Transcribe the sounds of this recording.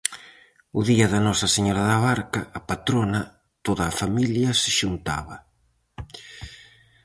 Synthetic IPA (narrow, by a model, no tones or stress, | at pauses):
ʊðiɐðɐnɔsɐseɲɔɾaðɐβaɾkaːpat̪ɾonɐ | t̪oðaːfamiljasɪʃunt̪a̰βɐ